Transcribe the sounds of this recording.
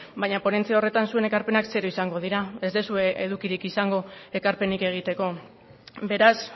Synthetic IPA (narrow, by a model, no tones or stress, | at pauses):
bajɲapo̞ne̞nt͡siaore̞t̪ansue̞ne̞kaɾpe̞nakse̞ɾoisaŋɡo̞ð̞iɾae̞zd̪e̞sue̞eð̞ukiɾikisaŋɡo̞e̞kaɾpe̞nike̞ɣ̞it̪e̞ko̞ | be̞ɾas